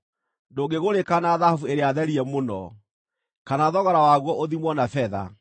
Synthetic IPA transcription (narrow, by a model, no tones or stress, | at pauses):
doːɡeɣoɾekanaðahavueɾeaðɛɾiɛmonɔ̰ | kanaðɔɣaɾawaɣwɔʔoðimwɔnafɛða̰